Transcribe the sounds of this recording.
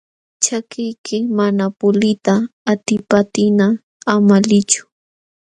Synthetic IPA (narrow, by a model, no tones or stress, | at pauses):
t͡ʃakɪjkʰɪmanapʊlɪt̪aːt̪ɪpat̪ɪnaː | malɪt͡ʃʊ̥